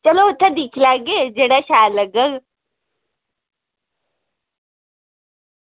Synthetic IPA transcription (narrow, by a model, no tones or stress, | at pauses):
t͡ʃɐlot̪ʰad̪ikʰilaːɡed͡ʒeɽaɕaːləɡəɡ